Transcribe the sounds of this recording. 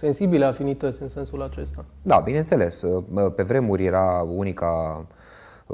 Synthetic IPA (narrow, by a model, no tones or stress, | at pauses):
se̞nsibileafinit̪ət̪sʲɨnse̞nsulat͡ʃe̞st̪ad̪abinent̪se̞le̞spe̞vɾe̞muɾʲje̞ɾaunika